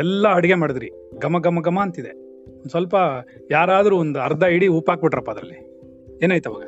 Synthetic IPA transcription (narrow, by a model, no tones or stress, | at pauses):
ɛlːɐɐɽiɡe̞maːɽid̪ɾi | ɡɐmɐɡɐmɐɡɐmːɐːnt̪id̪e | ond̪sʋɐlpɐ | jaːɾaːd̪ɐɾuond̪uɐɾd̪ʱɐiɽiuːpaːk̚biʈːɾɐpːɐɐd̪ɾɐ̰lːi | eːnaːjt̪ɐba̰ːɡɐ